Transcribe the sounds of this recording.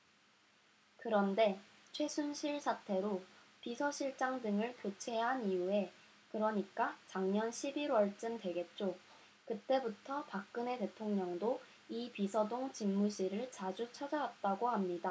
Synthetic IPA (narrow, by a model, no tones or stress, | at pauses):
kɯɾʌnde̞ | t͡ɕʰwe̞sʰunɕʰiɭsʰatʰe̞ɾopisʰʌɕʰiɭt͡ɕ͈aŋdɯŋɯɭkot͡ɕʰe̞ɦanijue̞ | kɯɾʌɲik͈at͡ɕaŋɲʌnɕʰibiɾwʌɭt͡ɕ͈ɯmtwe̞ɡe̞t̚t͡ɕ͈o | kɯt͈e̞butʰʌpak̚k͈ɯne̞te̞tʰoŋɲʌŋdo | ipisʰʌdoŋt͡ɕimmuɕʰiɾɯɭt͡ɕad͡ʑut͡ɕʰʌd͡ʑawat̚t͈aɡohamɲida